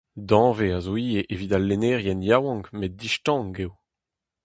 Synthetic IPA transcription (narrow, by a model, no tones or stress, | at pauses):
d̪ɑ̃ːveazoiːjeʔeviːd̪alenɛʁjɛnjawɑ̃ŋkmed̚diʃtɑ̃ːŋɡew